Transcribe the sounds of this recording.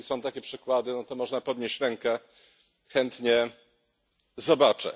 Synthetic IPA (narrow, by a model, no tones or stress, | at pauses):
isɔ̃w̃t̪akʲɛpʂɘkwad̪ɘnɔt̪ɔmɔʐnapɔd̪ɲeɕt͡ɕɾɛŋkɛ | xɛnt̪ɲɛ | zɔbat͡ʂɛ̰